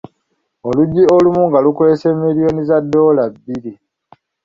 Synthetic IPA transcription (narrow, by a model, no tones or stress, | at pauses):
oluɟːiolumuŋɡalukwe̞ːseːmːiɾio̞nizadːo̞ːlabːiɾi